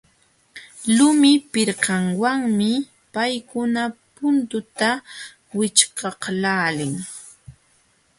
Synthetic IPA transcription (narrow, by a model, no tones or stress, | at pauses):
lʊmɪpɪɾqɑŋwaŋmɪ | pajkʊnapʊnt̪ʊt̪a | wɪt͡ʃkɑqlaːlɪŋ